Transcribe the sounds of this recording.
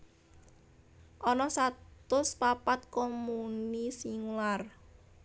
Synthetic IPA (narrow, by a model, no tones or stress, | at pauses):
ʔɔnɔsat̪ʊspapat̪̚komunisiŋlar